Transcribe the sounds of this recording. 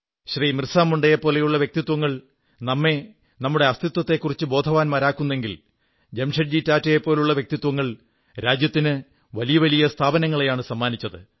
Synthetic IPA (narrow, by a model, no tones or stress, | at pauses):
ɕriːmrsaːmuɳɖejepːo̞ːle̞juɭːɐʋjek̚t̪it̪wɐŋːɐɭ | nɐmːe̞ | nɐmːuɽe̞ɐst̪ʰit̪wɐt̪ːe̞kːurit͡ɕːɨbo̞ːd̪ʱɐʋaːnmaːɾaːkːunːeŋɡil | d͡ʑe̞mʂɐʈ̚d͡ʑitaːtːɐjepːo̞ːluɭːɐʋjek̚t̪it̪ːwɐŋːɐɭ | ɾaːd͡ʑjɐt̪ːinɨ | ʋɐlijɐʋɐlijɐst̪ʰaːbɐnɐŋːɐɭejaːɳɨsɐmːaːnit͡ɕːɐðɨ